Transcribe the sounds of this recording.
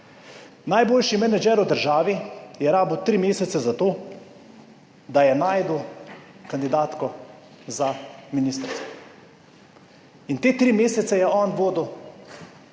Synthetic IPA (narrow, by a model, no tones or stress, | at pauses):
najboːlʃimɛnɛd͡ʒɛɾud̪əɾʒaːʋijɛɾaːbəwt̪ɾiːmeːsɛt̪sɛzat̪oː | d̪ajɛnaːjd̪uwkand̪id̪aːt̪kɔ | zaminist̪ɾtsɛ | int̪eːt̪ɾimeːsɛt̪sɛjɛʔɔːnʋoːd̪u